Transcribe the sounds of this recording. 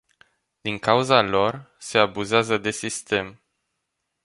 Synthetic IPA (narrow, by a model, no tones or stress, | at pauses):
d̪iŋkauzalo̞r | se̞abuzeazəd̪e̞sist̪e̞m